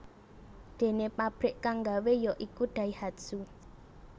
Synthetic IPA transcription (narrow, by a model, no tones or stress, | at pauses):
d̪̥e̤nepab̥ɾɪʔkaŋɡawejɔʔikuɖ̥a̤ihad̪su